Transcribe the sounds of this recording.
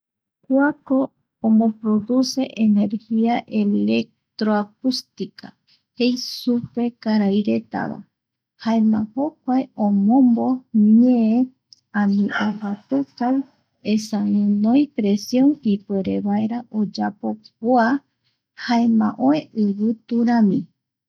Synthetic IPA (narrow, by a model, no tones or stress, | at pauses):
kwakõː | mbopɾo̞ðuse̞ʔene̞ɾhiaʔele̞k̚t̪ɾoak̚ust̪ika | hejsupe̞kaɾajɾe̞t̪a̰βa̰ | haemãhokʷaeõmõmbo̞miẽe | ãnĩʔohat̪ekaj | esãɨ̃nõjpɾesjõ̞nipweɾeβaeɾaʔod͡ʒapo̞k̚oa | haemã̰ʔoeɨβɨt̪uɾãmĩ